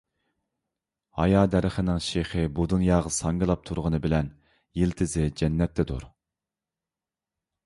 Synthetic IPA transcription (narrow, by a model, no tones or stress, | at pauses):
hɑjɑːd̪ɛɾɪχənɪŋʃeχɪbud̪unjɑːʁəsɑŋɡɨlˠɑp̚t̪ʰuɾʁənɨbɪlɛn | jelt̪ʰɪzɪd͡ʒɛnːɛt̪ʰːɛd̪ṵɾ